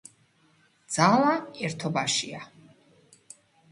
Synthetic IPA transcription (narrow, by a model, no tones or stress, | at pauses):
d̪z̥alˠaɛɾt̪ʰɔbaʃḭa